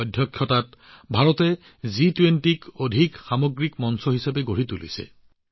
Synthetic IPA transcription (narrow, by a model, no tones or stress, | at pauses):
ɔdʱjɔkʰːjɔtat̚bʱaɹɔtɛ | zitwentikodʱikxamoɡɹikmɔnsɔɦisapɛɡoɹitulḭsɛ̰